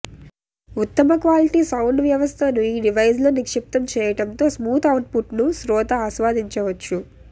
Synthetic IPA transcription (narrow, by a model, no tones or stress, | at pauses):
ut̪ːɐmɐkʋaːliʈisɐwɳɖʋjɐʋɐst̪ʰɐnuiːɖiʋɐjd͡ʒlonikʂip̚t̪ɐmt͡ʃɛːjɐʈɐnt̪o̞ːsmuːt̪ʰɐwɳɖpuʈnusɾɔːt̪ɐːsʋaːd̪iɲt͡ʃɐʋɐt͡ʃːu